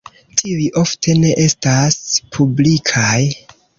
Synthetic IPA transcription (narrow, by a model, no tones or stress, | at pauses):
tʰiujʔo̞ftʰe̞ne̞ʔe̞staspʰublikʰaj